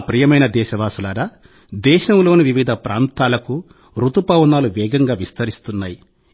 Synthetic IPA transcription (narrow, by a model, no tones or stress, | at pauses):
pɾijɐmɐjnɐd̪ɛːʃɐʋaːsulaːɾa | d̪ɛːʃɐmlo̞ːnuʋiʋid̪ʱɐpɾaːnt̪aːlɐku | ɾut̪upɐwnaːluʋɛːɡɐŋɡaːʋist̪ɐɾist̪unːaːji